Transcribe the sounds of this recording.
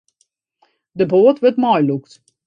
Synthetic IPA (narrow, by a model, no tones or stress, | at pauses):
dəboːtʋətmɔjlukt